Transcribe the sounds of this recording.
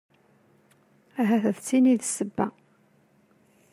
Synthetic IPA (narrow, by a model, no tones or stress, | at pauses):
æɦæθəðt͡sːiniðsəbːæ̰